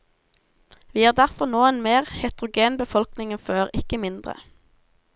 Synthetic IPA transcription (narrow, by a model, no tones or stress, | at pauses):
ʋiːæːʁd̪æʁfɔʁnoːeːnmeːʁhɛt̪ʁʊɡeːnbəfɔlknɪŋənføːʁɪkəmɪnd̪ʁə̰